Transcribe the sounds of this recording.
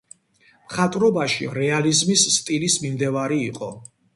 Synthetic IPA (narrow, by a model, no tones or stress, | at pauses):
mχat̪ʼɾɔbaʃḭɾɛalizmisːt̪ʼilismimd̪ɛvaɾiːqʼɔ